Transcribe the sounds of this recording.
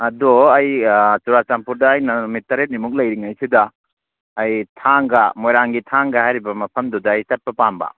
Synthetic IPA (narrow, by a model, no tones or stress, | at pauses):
ɐdoɐjt͡ʃuɾat͡ʃampuɾdɐːjnɐumitːɐɾet̚nimuk̬̚lɐjɾiŋajsidɐː | jtʰaŋɡɐmojɾaŋɡitʰaŋɡɐhajɾibɐmɐpʰɐmdudɐːjsɐt̚pɐpambɐ̰